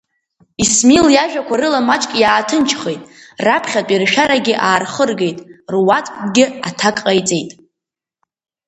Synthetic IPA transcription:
ismiljaʒᶣakʷʰarɨlamat͡ʃʼkʼjaːtʰɨnt͡ʃʰχejtʼ | rapʰχʲatʷʼirʃᶣaɾaɡʲɪʔaːrχərɡe̞jtʼrwat͡sʼkʷʼɡʲɪatʰakʼqʼajt͡sʼe̞jtʼ

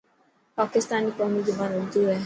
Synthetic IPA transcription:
pakɪstanik͡pɔmid͡ʒubanoduɾe

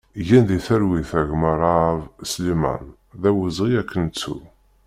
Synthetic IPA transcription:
ʝænðiθəɾwiθæʝməɾˤɑvslimæ̰n | ðæwəzˤʁiækʰːənt͡sːṵ

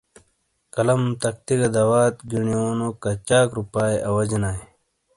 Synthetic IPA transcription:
kɐlɐmt̪ɐkt̪iɡɐd̪ɐwaːt̪ɡiɳioːnokɐt͡ɕaːkɾupaːjʔɐwɐd͡ʑnaːe

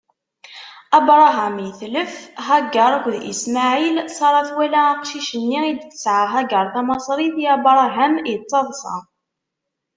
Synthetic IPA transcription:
ɑbɾˤɑɦæmiθləfɦæɡːəɾˤækʷðḭsmaʕilsˤɑɾˤɑθwælæːqʃiʃənːiid̪ə̥sʕaɦæɡəɾˤθæmɑsˤɾˤiθiæbɾˤɑɦæmjət͡sˤːɑðˤsɑ̰

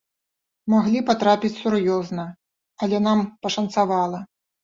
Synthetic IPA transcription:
maɣlʲipat̪ɾapʲit͡sʲsurjɔznɐ | ɐlʲɛnampɐʂɐnt̪savalˠɐ

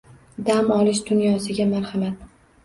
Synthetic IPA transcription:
d̪amɒlɪʃd̪ʊnjɒsɪɡʲamaɾhamat̪̚

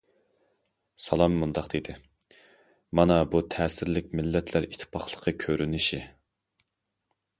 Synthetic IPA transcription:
sɑlˠɑmːund̪ɑqd̪̥ed̪ɪ | mɑnɑbut̪ʰɛːsɪɾlɪk̚ʲmɪlːɛt̪ʰlæɾit̪ʰːɪ̥pʰɑχlˠəqʰəkʲʰøɾynɪʃi

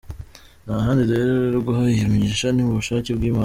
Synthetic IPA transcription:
naɦaːndiɾeɾeɾeɾuɡuɦaijemeɲeʃaniuβuʃaːcebɡiːmaː

